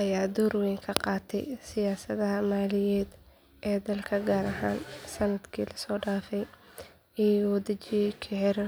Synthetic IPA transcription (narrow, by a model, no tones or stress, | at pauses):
ʔɐjaːd̪ɔːrwɛŋkʰɐqɑːt̪ʰɛ̰jsɪjaːsɐðɐɦɐmaːlɪjɛːd̪ | ʔɛːd̪ɐlkʰɐɡaːɾɐɦa̰ːnsɐnɐd̪kʰḭːlɐsɔːɖaːfɛj | iːwd̪ɐt͡ʃijkʰɪʕɪɾ